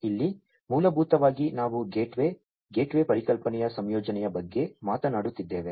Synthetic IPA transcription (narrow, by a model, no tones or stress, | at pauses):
ilːi | muːlɐbʱuːt̪ɐʋaːɡinaːʋuɡeːʈʋe | ɡe̞ːʈʋe̞ːpɐɾikɐlpɐnɛjɐsɐmjɔːd͡ʒɐnɛjɐbɐɡːe̞maːt̪ɐnaːɽut̪ːid̪ːe̞ːʋe